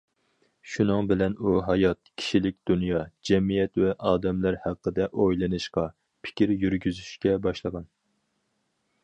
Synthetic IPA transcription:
ʃunɨŋbɪlɛnuɦɑjɑt̪̚kʲʰi̥ʃilɪk̚ʲd̪̥unjɑd͡ʒɛmijɛt̪vɛʔɑːd̪ɛmlæɾhæqːəd̪ɛʔojlˠɨnɨʃqɑ | pʰɪ̥kʲiɾjyɾɡʲyzyʃkʲɛbɑʃlˠəʁɑn

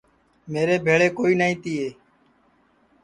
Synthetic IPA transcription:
meːɾeːbʱeːɭeːkoːiːnaːĩːt̪iːeː

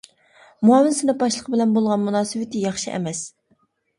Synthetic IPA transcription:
muɑːvɪnsɨnɨbɑʃlˠəqʰəbɪlɛnbolˠʁɑnmunɑːsɨwɪt̪ʰɪjɑχʃiʔɛ̰mɛs

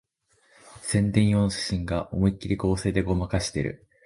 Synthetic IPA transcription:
sẽ̞nd̪ẽ̞ɰ̃jo̞ːnoɕḁɕĩŋɡaʔomɯ̟ikʲːiɾʲiko̞ːse̞ːd̪e̞ɡo̞makaɕi̥t̪e̞ɾɯ̟̰

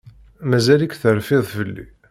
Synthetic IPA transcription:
mæzælikːθəɾfɪðˤfəlːḭ

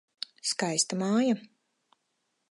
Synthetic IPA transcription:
skajst̪amaːja

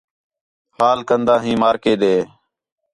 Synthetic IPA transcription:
haːlkənd̪aːɦĩːmaːɾkeːɗeː

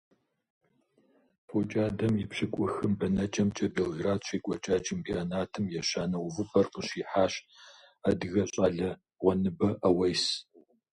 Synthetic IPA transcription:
pʰot͡ʃʼaːdɐmjɪpɕɪkʷʼʊxɨmbɐnɐt͡ʃʼɐmt͡ʃʼɐbelɣraːtɕʷʰiːkʷʼɔt͡ʃʼaːt͡ʃʼɪmpʰionaːtʰɨmjɛɕaːnɐwʷʊvɨbʰɐrqəɕiːħaːɕ | ɐdɨɣɐɕʼaːɮɐ | ʁʷɔnɨbɐʔɐwɐjs

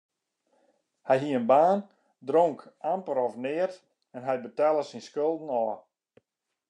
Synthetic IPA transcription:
hɛjɦiəənbaːn | droŋkampəɾɔfnɪət | ɛnɦɛjbətaːlˠəsinskølˠdən̩ɔː

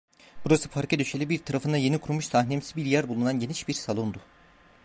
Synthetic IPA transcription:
b̥uɾasɯfaɾkad̪øʃelʲibiɾt̪ʰaɾafɯnd̪aje̞nikʰuɾumuʃsaːɦnemisizbiɾjæɾbulˠunanɟe̞niʃbiɾsalˠo̞nd̪ʊ

